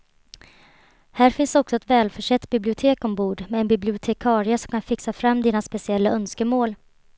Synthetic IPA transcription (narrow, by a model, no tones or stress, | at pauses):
hæːɾfɪnsɔksɔɛt̪vɛːlfœʂɛt̪ːbɪblɪʊt̪ʰeːkɔmbuːɖmɛːnbɪblɪʊt̪ʰɛkʰɑːɾɪəsɔmkʰanfɪksafɾamːd̪iːnaspɛsɪɛlːaœnskəmoːl